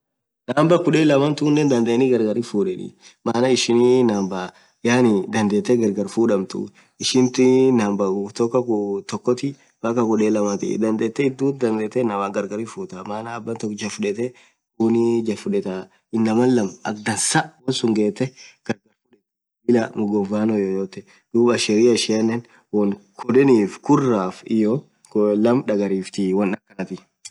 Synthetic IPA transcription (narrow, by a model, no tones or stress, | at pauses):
naːmbɐkʊᶑeːlɐmɐnt̪unːɛnd̪ɐnd̪eːnɪɡɐɾɡɐɾifuːᶑɛᶑɪ̰maːnɐɪʃɪninaːmbɐ | jaːnɪd̪ɐnd̪eːt̪ːɛɡɐɾɡɐɾfuːᶑɐmt̪ʊ̰ | ɪʃɪnt̪ɪnaːmbɐkʊt̪ɔkːɐkʊt̪ɔkːɔt̪ɪ | bɐkɐkʊᶑeːlɐmɐt̪ɪ̰d̪ɐnd̪eːt̪ːɛɪd̪ːuːd̪ɐnd̪eːt̪ːɛnɐwaːŋɡɐɾɡɐɾifuːt̪ɐmaːnɐːbːɐnt̪ɔkːd͡ʒɐfʊᶑɛt̪ɛ | uːnid͡ʒɐfʊᶑɛt̪a | ɪnːɐmɐlːɐmɐ̰k̚d̪ɐnsɐʔwɐnsʊŋɡeːt̪ːɛɡ̥ɐɾɡɐɾfʊᶑɛ | ɪlamʊɡɔvaːnɔjojoːt̪ːɛ | d̪̥uːbɐʃɛɾɪːɐʃɐnːɛn | wɔnkʰɔd̪ɛniːfkʊrːaːfɪ̰jo | lɐmᶑɐɡɐɾiːft̪iwɐnɐkːɐnɐt̪ɪ